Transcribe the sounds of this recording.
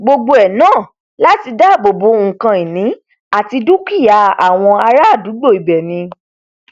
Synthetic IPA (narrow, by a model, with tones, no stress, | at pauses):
ɡ͡bo˧ɡ͡bo˧ɛ˨nãː˦˨ | la˦ti˧da˦˨bo˨bo˨˦ŋ̩˨kã˧i˨nĩ˨˦ | a˦˨ti˧du˦ki˦˨ja˧a˨w̃ɔ̃˧a˧ɾa˦a˦˨du˨˦ɡ͡bo˦˨i˨bɛ˨mĩ˧